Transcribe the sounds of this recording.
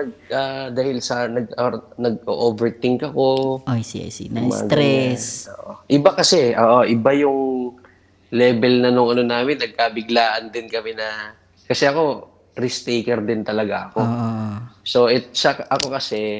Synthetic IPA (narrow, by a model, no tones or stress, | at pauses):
nɐɡ̚ad̪aːhɪlsɐnɐɡɐnɐɡʔo̰ʔoːvɛɹt̪ɪŋkɐko̞ojsḭjsḭmɐ̰ɡ̪ɾɛso̰ːʔʔoʔɪbakɐsɛʔoːʔo̞ʔɪbajʊŋ | lɛːbɛlnɐnʊŋɐno̞naːmɪnːɐɡ̚kaːbɪɡlaːʔɐnd̪ɪnkɐmɛnɐ | kɐsɛʔɐko̞ | ɾɪst̪ejkɛɾd̪ɪnt̪ɐlɐɡaʔɐko̞ | so̞ʔɛt̪̚sɐkʔɐko̞kɐsɛ